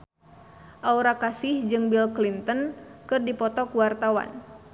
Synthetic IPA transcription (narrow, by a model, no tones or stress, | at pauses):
ʔauɾakasɪhd͡ʒɨŋbilklint̪ənkɨrdipɔt̪ɔkuwart̪awa̰n